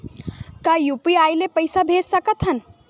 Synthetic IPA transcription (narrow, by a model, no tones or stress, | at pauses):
kajupiaːjlepəjsabʱed͡ʒsəkət̪ɦən